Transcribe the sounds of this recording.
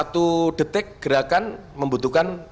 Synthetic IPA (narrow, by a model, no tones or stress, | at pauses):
at̪uɖ̥ə̤t̪ɪk̚ɡ̥əɾakan | məmbut̪ukan